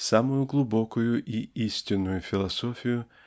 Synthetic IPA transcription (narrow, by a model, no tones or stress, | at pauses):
samʊjʊɡlˠʊbo̞kʊjʊʔiisʲtʲɪnːʊjʊfʲɪlˠɐso̞fʲɪjʊ